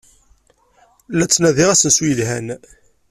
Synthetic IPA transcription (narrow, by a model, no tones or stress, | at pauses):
læt͡sːnæðiʁæsənswijəlɦæn